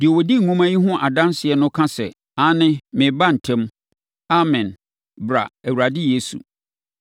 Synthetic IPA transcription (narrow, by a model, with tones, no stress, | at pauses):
dɪ˨o˨wo˨di˦˨ũ˦mã˦jĩ˦ɦʊ̃˦ʔa˨dã˦nsɪ˨ɛ˦nʊ̃˦kʰã˦sɛ̰˨ | ã˨˦nɪ̃˦mɪ̃˨ba˦˨n̩˨tʰɛ̃˦m | a˦mɛ̃˨n | bɾa̰˨æ˨wu˨ɾa˨dɪ˦je˦sṵ˨